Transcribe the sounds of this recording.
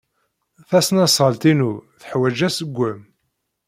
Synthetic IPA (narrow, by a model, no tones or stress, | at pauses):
θæsnæsˤʁəlt̪inuθə̥ħwæd͡ʒæsəɡʷːəm